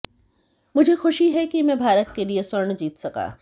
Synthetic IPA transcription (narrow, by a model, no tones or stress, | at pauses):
mʊd͡ʒʱexʊʃiɦɛkimɛ̃ːbʱaːɾət̪̚keliesʊɾɳd͡ʒiːt̪sɐka̰ː